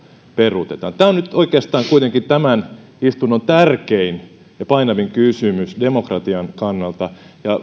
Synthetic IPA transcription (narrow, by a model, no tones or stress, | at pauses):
perut̪et̪ɑːnt̪æːonnyt̪oikeːst̪ɑːŋkuit̪eŋkint̪æmæn | ist̪unːont̪ærkein | jɑpɑinɑʋiŋkysymysdemokrɑt̪iɑŋkɑnːɑlt̪ɑjɑ